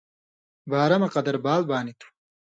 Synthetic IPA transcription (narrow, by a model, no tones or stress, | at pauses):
baːɾɐmɐqɐd̪ɐɾbaːlbaːnit̪ʰḁ